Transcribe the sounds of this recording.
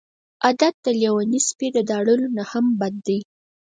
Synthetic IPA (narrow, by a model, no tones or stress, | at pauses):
ʔad̪at̪̚d̪əljawanisped̪əd̪ɑɽəlonahambad̪ːaj